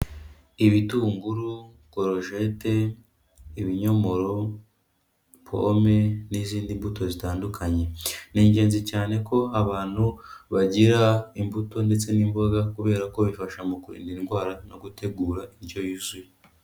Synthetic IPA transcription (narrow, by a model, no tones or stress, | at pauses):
iβituːŋɡuɾu | koɾo̞ʒe̞te̞ | iβiɲo̞mo̞ɾo̞ | pʰo̰me̞niziːndimbuto̞zitaːndukʰaɲe̞niːɲɟe̞ːnzicaːne̞ko̞aβaːn̥huβaɟiɾaimbuto̞nde̞t͡se̞nimbo̞ɡakuβe̞ːɾako̞βifaʃamukuɾḭːndiinɡwaːɾano̞ɡute̞ɡuːɾaiɾɟo̞jizwi